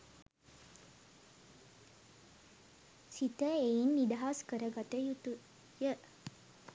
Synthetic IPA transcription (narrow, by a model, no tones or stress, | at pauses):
sit̪əeinːid̪ɐɦaskəɾəɡat̪əjut̪u | jə